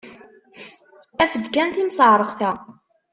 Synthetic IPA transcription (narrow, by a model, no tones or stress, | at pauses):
æfəd̪kænt̪imsəʕɾˤəʁθæ